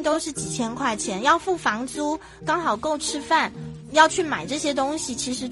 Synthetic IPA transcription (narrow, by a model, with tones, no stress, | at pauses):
t̪o˥ʊʂɻ̩˥˩t͡ɕi˨˩t͡ɕʰjɛ˥nkʰwa˥˩ɪt͡ɕʰjɛ˧˥njɑ˥˧ʊfu˥˩fɑ˧˥ŋt͡su˥ | kɑ˥ŋxɑ˨˩ʊko˥˩ʊʈ͡ʂʰɻ̩˥fa˥˩n | jɑ˥˧ʊt͡ɕʰy˥˩ma˨˩ɪʈ͡ʂɤ˥˩ɕjɛ˥t̪ʊ˥ŋɕi˨˩t͡ɕʰi˧˥ʂɻ̩˧˥